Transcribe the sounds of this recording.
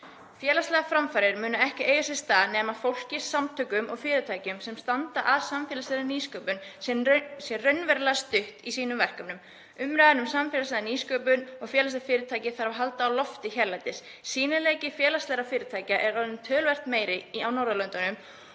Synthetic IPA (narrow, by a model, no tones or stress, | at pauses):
fjɛːlast̪lɛːɣafɾamfaɾɪɾmʏːnʏɛhcɪʔeːjasjɛ̥st̪aːðnɛːmafowl̥cɪsːamt̪ʰœːkʏmɔɣfɪːɾɪt̪ʰaːjcʏmsɛmst̪ant̪aʔasamfɛːlaslɛɾðaniːskœːpʏnssjɛrœɥnvɛɾlɛast̪ʏht̪isiːnʏmvɛr̥kœmnʏm | ʏmːɾaːðanʏmsamfɛlaslɛðaniːskœːpʏnɔɣfjɛːlast̪afɪːɾɪt̪ʰaːjcɪθaɾavaɦalt̪aːwlɔft̪ɪçɛɾlajt̪ɪsː | iːnɪleːjcɪfjɛːlast̪lɛːɾafɪːɾɪt̪ʰaːjcaʔɛɾɔnʏmt̪ʰœːlvɛr̥t̪meːjɾɪiawnowɾðalœnt̪anʏm